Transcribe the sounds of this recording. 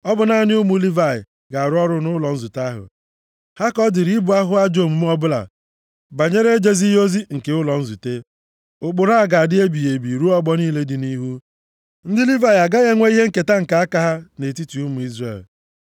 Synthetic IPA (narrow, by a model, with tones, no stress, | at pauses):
ɔ˦bʊ˨na˦˨˦nɪ˦ʊ˦mu˦li˦va˨ɪ̰˨ | ɡa˨ɾʊ˦ɔ˦ɾʊ˦nʊ˦lɔ˨n̩˦zu˨ta˦ɦʊ̰˨ | ha˦kɔ˦dɪ˨ɾi˦bʊ˨a˦ɦʊ˦a˦d͡ʒo˨mu˨m̩˦ɔ˦bʊ˦la̰˨ | ba˨ɲe˦ɾe˦d͡ʒe˦zi˦ɦo˦zi˦ŋ̩˨ke˨ʊ˦lɔ˨n̩˦zu˨te˦ | ʊ˨k͡pʊ˨ɾa˦a˨ɡa˨dɪ˦e˦bi˨je˨bi˨ɾu˦ɔ˦ɡ͡bɔ˦niː˦le˦dɪ˨ni˦ɦu˦ | n̩˦dɪ˦li˦va˨ɪ˨a˨ɡa˦ɣe˦ŋʷe˦i˦ɦe˦ŋ̩˦ke˨ta˦ŋ̩˨ka˨˦a˦ka˦ɦa˦ne˨ti˦ti˨u˦mu˨i˦zrḛ˨l